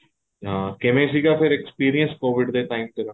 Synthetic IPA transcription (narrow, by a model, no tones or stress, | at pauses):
ɦãːkɪmẽs̬ikapʰɪɾekspiːɾijə̃nskoːʋɪɖd̪eʈaːɪmt̪eɾa